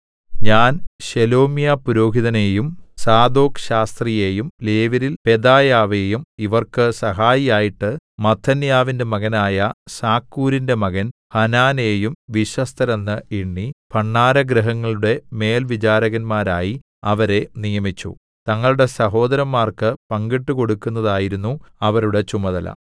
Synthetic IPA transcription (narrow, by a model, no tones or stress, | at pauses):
ɲaːnɕelo̞ːmijaːpuɾo̞ːɦiðɐneːjumsaːd̪o̞ːkɕaːst̪rijeːjumleːʋɐɾilpe̞d̪aːjaːʋejumiʋɐrkɨsɐɦaːjijaːjiʈːɨmɐt̪ʰːɐnjaːʋinde̞mɐɣɐnaːjɐsaːkːuːɾinde̞mɐɣɐnhɐnaːneːjumʋiɕɐst̪ʰɐɾɐnːɨiɳːipɐɳːaːɾɐɡɾɐɦɐŋːɐɭuɽe̞me̞ːlʋit͡ɕaːɾɐɣɐnmaːɾaːji | ɐʋɐɾe̞nijɐmit͡ɕːṵ | t̪ɐŋːɐɭuɽe̞sɐɦo̞ːd̪ɐɾɐmːaːrkɨpɐŋɡiʈːuko̞ɽukːunːɐðaːjiɾunːuɐʋɐɾuɽe̞t͡ɕumɐðɐlɐ̰